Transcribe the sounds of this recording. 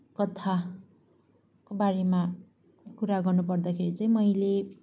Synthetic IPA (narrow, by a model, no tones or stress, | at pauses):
kʌt̪ʰa | kobaɾema | kuɾaɡʌrnupʌrd̪akʰeɾit͡saĩmʌjle